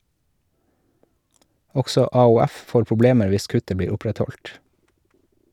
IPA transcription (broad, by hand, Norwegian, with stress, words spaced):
ˈɔɡsɔ ɑʊˈæf ˈfoːɾ pʊˈbleːməɾ ˈʋɪs ˈkʉtə ˈbiːɾ ˈʊpɾɛtˌhɔlt